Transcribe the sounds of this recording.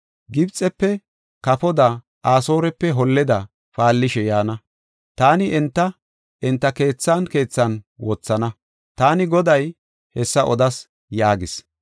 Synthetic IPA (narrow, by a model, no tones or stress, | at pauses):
ɡɪbt͡sʼːɛpːɛ | kɐpɔd̪ɐ | ʔaːso̞ːɾɛpːɛɦɔlːɛd̪ɐ | faːlːɪʃɛjaːnɐ | t̪aːnɪʔɛnt̪ːɐ | ɛnt̪ːɐke̞ːt͡sːaːnke̞ːt͡sːɐnwɔt͡sːɐnɐ | t̪aːnɪɡɔd̪ɐj | hɛsːɐʔɔd̪ɐs | jaːɡɪs